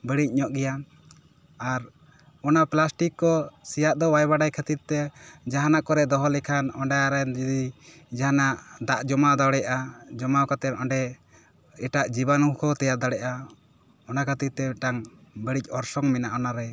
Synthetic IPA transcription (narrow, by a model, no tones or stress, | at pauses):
bəɽic̚ˀɲɔʔɡɛja | aɾ | ɔnaplasʈikːɔsijaʔd̪ɔwajbaɖajkʰat̪it̪̚t̪ɛd͡ʒaɦanaʔkɔɾɛʔd̪ɔɦɔlɛkʰanɔɳɖɛaɾɛnd͡ʒid̪i | d͡ʒaɦanaʔd̪aʔd͡ʒɔmad̪awɽɛʔad͡ʒɔmawkat̪ɛnɔɳɖɛ | ɛʈaʔd͡ʒibanukʰɔt̪ɛjaʔ̪̚d̪aɽɛʔa | ɔnakʰat̪it̪t̪ɛʈaŋbəɽic̚ˀɔɾsɔŋmɛnaʔɔnaɾɛ